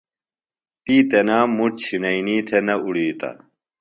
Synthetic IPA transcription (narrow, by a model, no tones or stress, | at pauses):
t̪iːt̪enaːmuʈ̚t͡ɕʰinɐiniːt̪ʰenɐuɽiːt̪a̰